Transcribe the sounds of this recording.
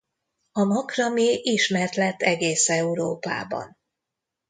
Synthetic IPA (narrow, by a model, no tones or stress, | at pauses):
ɒmɒkrɒmeːʔiʃmɛrt̪lɛt̪ːɛɡeːsɛuɾoːpa̰ːbɒ̰n